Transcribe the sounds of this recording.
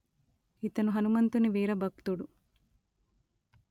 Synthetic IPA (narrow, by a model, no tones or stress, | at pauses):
it̪ɐnuɦɐnumɐnt̪uniʋiːɾɐbʱɐkt̪uɽu